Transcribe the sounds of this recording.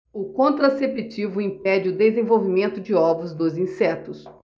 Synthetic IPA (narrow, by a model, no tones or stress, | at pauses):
ʊkõnt̪ɾasepit͡ʃivʊĩpɛd͡ʒɪʊd̪ezẽvowvimẽnt̪ʊd͡ʒɪɔvɾʊzd̪ozĩsɛt̪ʊs